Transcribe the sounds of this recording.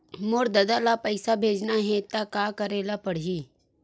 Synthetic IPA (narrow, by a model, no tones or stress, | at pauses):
moɾd̪ɐd̪alapəɪsabʱeːd͡ʒnaɦɛ̃t̪akaːkəɾeːlapəɽ̤ɦiː